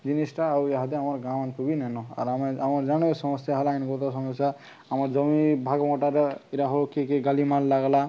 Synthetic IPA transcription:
d͡ʒinisʈaːujaɦat̪eamaɾɡãwanpubinanɔa̰ɾamɛamɔɾd͡ʒanɔsɔmɔsjaɦalainɡɔt̪ɔsɔmɔsja | amaɾzɔmibʱaɡmɔʈaɾiɾaɦokekeɡalimallaɡla

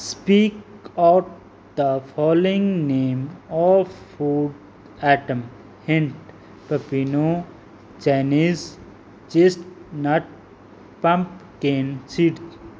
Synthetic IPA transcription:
spiːkaʊʈ̚ | d̪əfɔːloɪ̃ŋnẽːmɔfuːɖ | æʈə̃m | hɪ̃ɳʈ | pəpiːno | t͡ʃɛniz | d͡ʒesʈnaʈ̚ | pãmpkẽːnsiːɖ

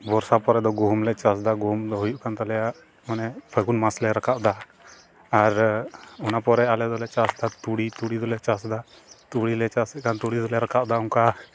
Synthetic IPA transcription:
bɔɾsapɔɾɛd̪ɔɡɔmlɛt͡ʃasd̪aɡɔmd̪ɔɦujuʔkʰant̪alɛjaʔ | mɔnɛpʰəɡunmaslɛɾakʰaʔd̪aː | ɾunapɔɾɛalɛd̪ɔlɛt͡ʃasd̪at̪uɽit̪uɽid̪ɔlɛt͡ʃasd̪a | t̪uɽilɛt͡ʃasɛʔkant̪uɽid̪ɔlɛɾakʰaʔd̪auŋka

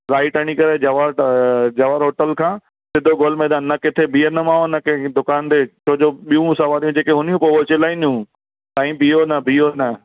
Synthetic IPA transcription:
ɾaːiʈɐɽ̃ikɐɾed͡ʑɐʋaɾd͡ʑɐʋaːɾɦoːʈəlkʰãː | sɪd̪ʱoɡoːlmẽːd̪ãːnnɐkɪt̪ʰebʱiːənəmãːonɐked̪ʊkaːnt̪eːt͡ɕʰoːd͡ʑoːɓijũsaʋaːɾijũd͡ʑeːkeɦʊnijũpoot͡ɕɪlaːĩnijũː | t̪aːĩbijonɐbʱiːonɐ

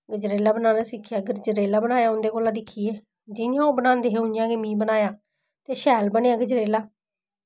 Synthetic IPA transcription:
ɡəd͡ʒɾeːlaːbənaːnaːsɪkʰːjaːɡəɾd͡ʒɾeːlaːbənaːjaːʊ̃nd̪eːkoːlãːd̪ɪkʰːiːeː | d͡ʒɪnjãːoːbənãːnd̪eːɦeːʊ̃njãːɡeːmĩːbənaːjaː | t̪eːʃɛːlbənejaːɡəd͡ʒɾeːlaː

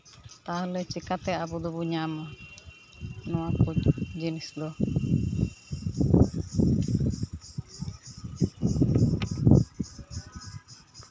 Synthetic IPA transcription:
t̪alɛt͡ʃikat̪ɛabud̪ɔbuɲamɔ | nɔwakut̪d͡ʒinisd̪ɔ

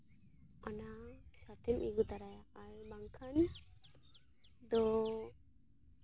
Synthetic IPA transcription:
anasat̪ɛnʔiɡut̪aɾajaʔaɾmaŋkʰan | d̪ɔ

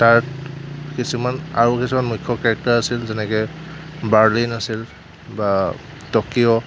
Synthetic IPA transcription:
taɹtkisumanaɹukisumanmujkʰːɔkaɹɛk̚taɹasilzɛnɛkɛbaɹlinasil | ba | tɔkiɔ

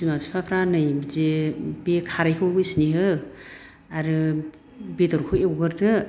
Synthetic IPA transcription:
zimapsi̥pʰapʰɾanɯjbzebekʰaɾajkʰɯbɯsniɦɯ | aɾɯ | bedɔɾkʰɯewɡɯɾdɯ

